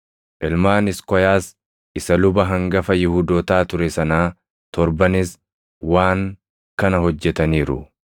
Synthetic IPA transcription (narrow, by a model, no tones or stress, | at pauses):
ʔɪlmaːnɪskɔjaːs | ɪsɐlʊbɐɦɐŋɡɐfɐjɪhud̪oːt̪aːt̪ʊɾɛsɐnaː | t̪ɔɾbɐnɪs | waːŋ | kɐnɐhɔd͡ʒːɛt̪ɐniːɾʊ̰